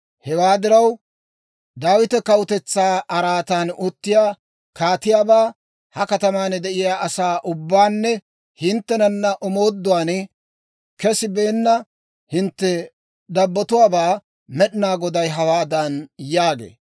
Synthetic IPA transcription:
hɛwaːd̪ɪɾɐw | d̪aːwɪt̪ɛkɐwʊt̪ɛt͡sːaːɐɾaːt̪aːnʊt̪ːɪjaː | kaːt̪ɪjaːbaː | hɐkɐt̪ɐmaːnd̪ɛʔɪjaːʔɐsaːʔʊbːaːnːɛ | hɪnt̪ːɛnɐnːɐʔɔmo̞ːd̪ːʊwaːn | kɛsɪbeːnːɐ | hɪnt̪ːɛ | d̪ɐbːɔt̪ʊwaːbaː | mɛɗnaːɡɔd̪ɐjɦɐwaːd̪ɐnjaːɡḛː

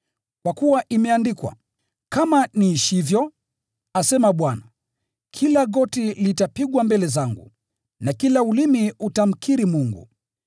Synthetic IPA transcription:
kwakuwaʔimɛandikwa̰ | kamaniːʃivjɔ | asɛmaɓwana | kʰilaɠɔtilitapiɠwambɛlɛzaŋɡṵ | nakilaulimiutam̩kʰiɾimuŋɡṵ

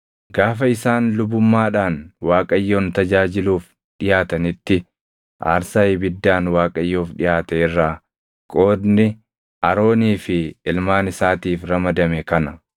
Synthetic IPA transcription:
ɡaːfɐɪsaːnlʊbʊmːaːᶑaːnwaːkʼɐjːoːnt̪ɐd͡ʒaːd͡ʒɪluːf | ᶑɪjaːt̪ɐnɪt̪ːɪ | ʔa̰ːɾsaːɪbɪd̪ːaːnwaːkʼɐjːoːfᶑɪjaːt̪ɛɪrːaː | kʼo̞ːd̪nɪ | ʔɐɾo̞ːniːfɪɪlmaːnɪsaːt̪iːfɾɐmɐd̪ɐmɛkɐnɐ

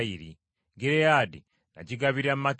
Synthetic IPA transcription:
iɾi | ŋɡiɾejadi | na̰ciɡaβiɾammak

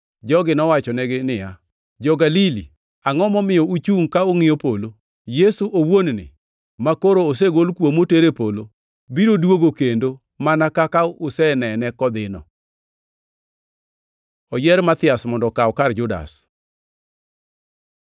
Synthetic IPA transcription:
d͡ʒɔɡɪnɔwat͡ʃɔnɛɡɪnɪja | d͡ʒɔɡalili | aŋɔmɔmɪjɔut͡ʃuŋkaoŋɪopolo | jesuʔowonnɪ̰ | makoɾoːs̬eɡolkwomoteɾepolo | biɾodwoɡokendo | manakakaʊsɛnɛnɛkɔd̪ɪnɔ | ɔjɛɾmat̪ɪasmɔndɔkaɔkard͡ʒʊda̰s

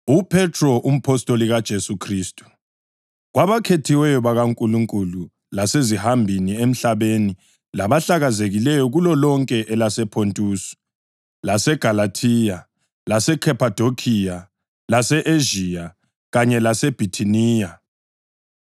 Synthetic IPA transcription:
upʰɛtʰrɔʔum̩pʰɔstʼoliɣad̥ʒ̥ʱesukʰriːstʼu̥ | ɣwaβakʰetʰiwɛjɔβaɣaŋkʼuluŋkʼulu | lasezihambʱiniem̩ɬaβeni | laβaɬaɣazeɣilɛjɔɣulɔlɔŋkʼɛʔɛlasɛpʰontʼuːsu̥ | lasɛɡ̥ʱalatʰija | lasɛkʰɛpʰad̥ʱokʰija | lasɛʔeʒija | ɣaɲɛlasɛb̥ʱitʰiniːja

